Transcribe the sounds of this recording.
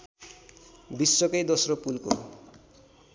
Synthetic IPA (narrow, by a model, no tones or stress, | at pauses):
bisːokʌjd̪osropulko̰